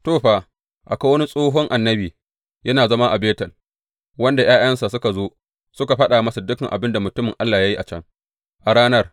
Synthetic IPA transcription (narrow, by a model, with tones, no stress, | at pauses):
toː˦˨ɸaː˦ | ʔa˨ka˦wɐ˦ni˦sʼoː˦ɦɔ˦ŋʔa˨nːɐ˦biː˨ | jɐ˦naː˨zɐ˦ma˦ʔa˨beː˦tɐ˨l | wɐ˦nda˨j̰aː˦jɐ˦nsa˨sʊ˦ka˨zoː˦ | sʊ˦ka˨ɸɐ˦ɗa˨mɐ˦sɐ˨dʊ˦kɐ˨ŋʔa̰˨bɪ˦nda˨mʊ˨tʊ˦mɪ˨ŋʔa˦lːaː˨ja˦ji˦ʔa˨t͡ʃɐ̰˦ŋ | ʔa˨ɽaː˦nɐ˦r